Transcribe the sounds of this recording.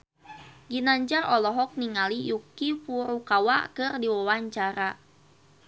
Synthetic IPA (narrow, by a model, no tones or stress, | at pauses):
ɡinaɲd͡ʒarɔlɔɦɔk̚niŋalijukifuɾukawa̰kɨrdiwawaɲt͡ʃaɾa